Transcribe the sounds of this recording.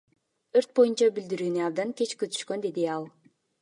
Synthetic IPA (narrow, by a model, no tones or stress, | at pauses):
ɯɾt̪̚bo̞junt͡ʃɑbild̪iɾyːnyɑb̚d̪ɑŋkʲe̞t͡ʃkøt̪ʰy̥ʃkønd̪e̞d̪iɑlˠ